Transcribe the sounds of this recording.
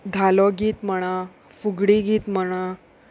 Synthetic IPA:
d̪ʱalɔɡiːt̪məɽ̃ã | fuɡɽiɡiːt̪məɽ̃a

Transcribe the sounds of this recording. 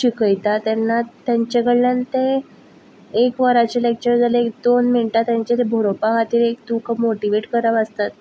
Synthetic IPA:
ɕikəjt̪at̪janːat̪jaɲt͡ɕeɡəɽlənt̪e | kʋəɾat͡ɕelek̚t͡ɕəɾd͡zaleek̚d̪onminʈat̪jãɲt͡ɕet̪ebʱoɾopakʰat̪iːɾek̚t̪ukəmoʈiʋeʈkəɾəʋəst̪at̪̚

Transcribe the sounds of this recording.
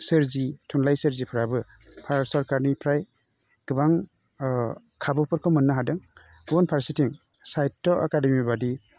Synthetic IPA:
sɯɾzitʰunlajsɯɾzipʰɯɾabɯ | pʰaɾsɔɾkaɾnipʰɾaj | ɡ̥ɯbaŋ | kʰabɯpʰɯɾkʰɔmɯnːaɦadɯŋ | ɡɔnpʰaɾsitiŋ | sajtːɔʔakademibadi

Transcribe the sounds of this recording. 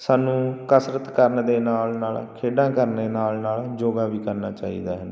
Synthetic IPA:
saːnũːkəsɾət̪kəɾnd̪eːnaːlnaːlkʰeːɖãːkəɾneːnaːlnaːld͡ʒoːɡaːʋiːkəɾna̰ːt͡ʃaːḭːd̪a̰ːɦənː

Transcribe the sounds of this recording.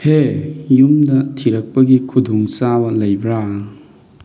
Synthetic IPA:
hejumdɐtʰiɾɐk̚pɐɡikʰudʱuŋsawɐlɐjbɾa

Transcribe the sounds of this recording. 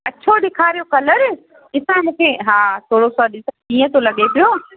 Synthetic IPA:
ɐt͡ɕʰoɗɪkʰaːɾijokɐləɾ | ɪsãmũːkʰeɦaːt̪ʰoːɽosɔɗɪskiːə̃t̪olɐɠepijoː

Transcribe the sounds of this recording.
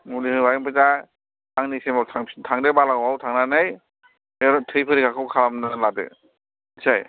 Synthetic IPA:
mulihɯbajŋpʰɯza | aŋnisemawtʰaŋtʰaŋdebalaɡmawtʰaŋnanaj | ɾɔtʰɯjpʰɯɾiɡakʰɯwkʰamnaladɯ̰ | saj

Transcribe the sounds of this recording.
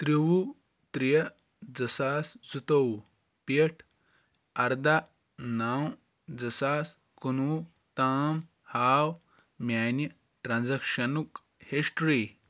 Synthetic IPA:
t̪ɾiwu | t̪ɾijɐ | d͡zɐsaːsd͡zut̪ɐw | pɐʈʰ | ɐɾd̪a | naːw | d͡zɐsaːs | kunuː | t̪aːm | haːw | mʲjaːnɐ | ʈɾaːnzɐkʃɐnuk | hisʈɾiː

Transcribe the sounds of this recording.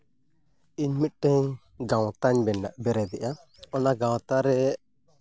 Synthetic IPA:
iɲmit̪̚ʈɛɲ | ɡãwt̪aɲbɛnɖa̰ʔbɛɾɛd̪ɛʔa | ɔnaɡãwt̪aɾɛ

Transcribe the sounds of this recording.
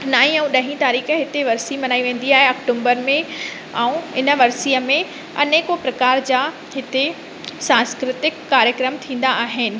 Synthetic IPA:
naːĩɛ̃ũɗɐɦĩt̪aːɾiːxəɦɪt̪eʋɐɾsimɐnaːiʋẽːn̆d̪iaːɦeɐkʈũːmbəɾmẽ | a̰ːũɪnə̆ʋɐɾsiːəmẽ | ɐ̰neːkopɾɐkaːɾd͡ʑaː | ɦɪt̪e | sãːnskɾɪt̪ɪkːaːɾjəkɾəmt̪ʰĩːn̆d̪aaːɦɪnɪ̆

